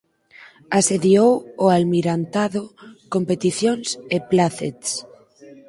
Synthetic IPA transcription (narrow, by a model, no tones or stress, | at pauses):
aseðiowoalmiɾant̪aðʊkompet̪iθjoŋseplaθḛt̪s